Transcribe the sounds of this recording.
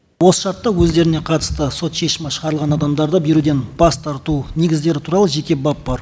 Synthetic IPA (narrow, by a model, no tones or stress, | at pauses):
wo̞sə̥ʃɑɾt̪ːɑwɵzd̪e̞ɾɪne̞qʰɑt̪ə̥st̪əso̞t̪ʃe̞ʃɪmɑʃəʁɑɾlˠʁɑnɑd̪ɑmd̪ɑɾd̪əbe̞ɾud̪e̞nb̥ɑst̪ʰɑɾt̪une̞ɡʲɪzd̪e̞ɾɪt̪ʰuɾɑlˠəʒe̞kʲe̞bɑp̚b̥ɑɾ